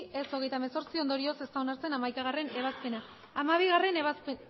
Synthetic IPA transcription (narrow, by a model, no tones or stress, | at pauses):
ʔe̞so̞ɣ̞e̞jt̪ameso̞ɾt͡sio̞nd̪o̞ɾio̞se̞st̪awnaɾt͡se̞namajkaɣare̞ne̞β̞aspe̞naː | maβ̞iɣare̞nsp